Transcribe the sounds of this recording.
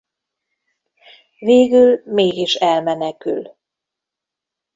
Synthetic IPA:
veːɡylmeːɡiʃɛlmɛnɛky̰l

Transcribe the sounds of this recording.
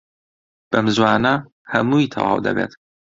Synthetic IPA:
b̥ɐmzwaːnɐ | hɐmuːit̪ʰɐ̰wɑ̰ːwd̪ɐ̰beːt̪

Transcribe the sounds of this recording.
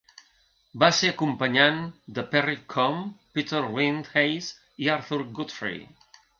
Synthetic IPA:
baseəkumpəɲand̪əpɛrikʰɔmpit̪əɾwind̪hejz | iaɾθuɾɡut̪fɾḭ

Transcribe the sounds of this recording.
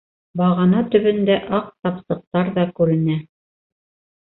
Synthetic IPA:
bɑʁɑnɑt̪ɵ̆βɘ̆nd̪æʔɑq̚t̪ɑpsɤ̆q̚t̪ɑɾðɑkʉɾɘ̆næ

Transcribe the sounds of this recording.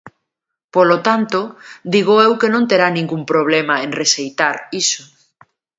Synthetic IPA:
polot̪ant̪od̪iɣ̞oewkenõnt̪eɾanĩŋɡumpɾoβ̞lemaẽnresejt̪aɾiso

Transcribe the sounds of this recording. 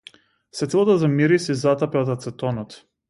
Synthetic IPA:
svɛt̪ilˠat̪azamiɾisizat̪apɛɔt̪at̪sɛt̪ɔnɔt̪

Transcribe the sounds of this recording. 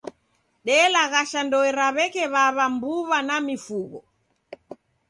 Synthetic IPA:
ɗɛlaɣaʃandɔɛɾaβɛkɛβaβambuβanamifuɣɔ

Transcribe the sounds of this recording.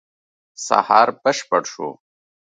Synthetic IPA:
sa̰hɑːɾbəʂpəɽʂṵ

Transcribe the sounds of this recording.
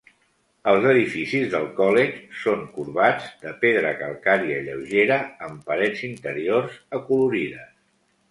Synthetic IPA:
əlˠzəðifisizðəlˠkɔlet͡ʃsoŋkuɾβad͡zd̪əpeðɾəkəlˠkaɾiəiʎəwʒeɾəəmpəɾɛd͡zint̪əɾiorzəkuluɾiðəs

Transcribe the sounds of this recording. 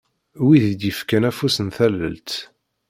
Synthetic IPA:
wiðd̪jəfkænæfusənθælːə̰lt̪

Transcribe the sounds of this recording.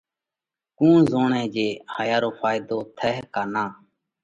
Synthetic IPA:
kũːzoːɳẽːd͡ʒeːhəjaːɾoːfaːɪd̪oːt̪ʰɛɦkaːnãː

